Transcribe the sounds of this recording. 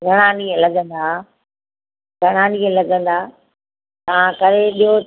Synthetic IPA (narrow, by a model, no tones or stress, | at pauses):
ɡʱɐɽ̃aːniːẽlɐɡə̃nd̪aː | ɡʱɐɽ̃aːniẽlɐɡə̃nd̪aː | t̪ɐãkɐɗẽɓiɦo